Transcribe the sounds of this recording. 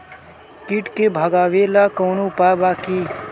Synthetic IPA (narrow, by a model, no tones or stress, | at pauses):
kiʈkebʱəɡaːʋelakəwnũpabaːki